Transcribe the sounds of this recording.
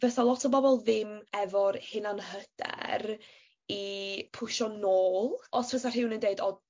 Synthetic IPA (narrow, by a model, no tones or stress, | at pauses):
vɛθalˠɔtʰɔbɔbɔlˠðɪmɛvɔrhɪnanhəd̥ɛ̰r | ipʰʊʃɔnoːlˠɔsʰəθar̥ɪwnəndeɨdɔd